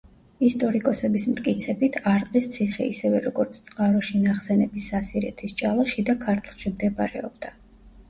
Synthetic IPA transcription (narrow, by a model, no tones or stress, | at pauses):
ist̪ʼɔɾikʼɔsɛbismt̪ʼkʼit̪sʰɛbit̪ʰaɾqʼist̪sʰiχɛ̰ḭsɛvɛɾɔɡɔɾt̪sʰt̪sʼqʼaɾɔʃinaχsɛnɛbisːasiɾɛ̰t̪ʰist͡ʃʼalˠaʃid̪akʰaɾt̪ʰlˠʃimd̪ɛbaɾɛ̰ɔb̚d̪a